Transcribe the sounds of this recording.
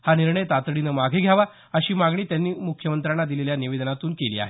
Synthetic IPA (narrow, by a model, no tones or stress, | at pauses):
haniɾɳəjt̪at̪ɽinəmaɡʱeɡʱjaʋa | əɕiːmaɡɳ̃iːt̪janːiːmukʰjəmənt̪ɾanːad̪ileljaniʋed̪nat̪uːnkeliːa̰ɦe